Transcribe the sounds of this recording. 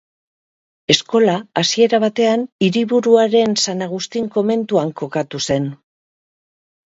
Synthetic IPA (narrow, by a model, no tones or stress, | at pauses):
e̞sko̞laːsie̞ɾaβ̞at̪e̞aniɾiβuɾuaɾe̞nsanaɣ̞ust̪iŋko̞me̞nt̪uaŋko̞kat̪use̞n